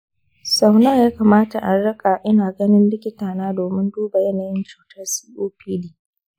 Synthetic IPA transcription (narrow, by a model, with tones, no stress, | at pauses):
sa˨wna˦jaː˦kaː˨maː˦ta˨ʔa˨ɽɐ˦kʼa˨ʔɪ˦naː˨ɡɐ˦nɪ˦nbɪ˦kʲɪ˦taː˨naː˦doː˨mɪ˦nduː˦ba˨jɐ˦naː˨jɪ˦nt͡ʃuː˨tɐ˦rsiː˦ʔoː˦ɸiː˦liː˨